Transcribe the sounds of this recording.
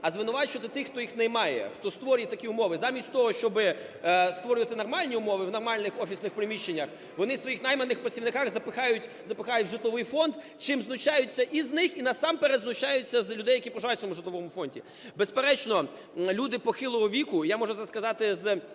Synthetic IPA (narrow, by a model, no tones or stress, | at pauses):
ɐzʋɪnʊʋɑt͡ʃʊʋɐt̪ɪt̪ɪxt̪ɔjixnɛjmɑjɛ̰xt̪ɔst̪ʋɔɾʲjɛt̪ɐkʲiʊmɔʋɪzɑmʲisʲtʲt̪ɔɦɔʃt͡ʃɔbɪst̪ʋɔɾʲʊʋɐt̪ɪnɔrmɑlʲnʲiʊmɔʋɪʋnɔrmɑlʲnɪxɔfʲisnɪxpɾɪmʲiʃːenʲːɐx | ʋɔnɪsʋɔjixnɑjmɐnːɪxpɾɐt͡sʲiʋnɪkɑxzɐpɪxɑjʊtʲ | zɐpɪxɑjʊt̚ʲʒɪt̪lˠɔʋɪjfɔnd̪ | t͡ʃɪmznʊt͡ʃajʊt͡sʲːɐʔiznɪxinɐsɑmpeɾɛd̪znʊt͡ʃajʊt͡sʲːɐzlʲʊd̪ɛjɐkʲipɾɔʒajt̚ʲɔmʊʒɪt̪lˠɔʋɔmʊfɔnʲdʲḭ | bespeɾɛt͡ʃnɔ | lʲud̪ɪpɔxɪlˠɔɦɔʋʲikʊjamɔʒʊzaskɐzɑt̪ɪz